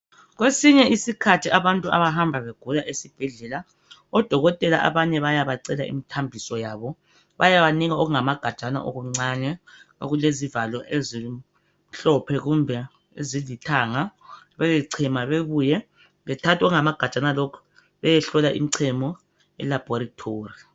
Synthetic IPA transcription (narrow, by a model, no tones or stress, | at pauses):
ɣwesiɲɛisikʰatʰiʔaβantʼuʔa̰βaɦambʱaβeɡ̥ʱulaʔesib̥ʱɛɮɛla | ɔd̥ʱɔɣɔtʼɛlaʔa̰βaɲɛβajaβaǀɛlaʔḭmitʰambʱisɔjaːβɔ | βajaβaniɣaɔɣuŋamaɡ̥ʱad̥t͡ʃʼana̰ʔɔɣuŋ͡ǀaɲɛo̰ɣulezivalɔʔezi | ɬɔpʰɛɣumbʱɛ | ezilitʰaŋa | βɛɣɛǀʰɛmaβeβujɛ | βɛtʰatʰɔɣuŋamaɡ̥ʱad̥t͡ʃʼanalɔkʰɔ̥ | βɛjɛɬɔlaʔḭm̩iǀʰɛmɔ | ɛ̰lab̥ʱɔɾatʰoːri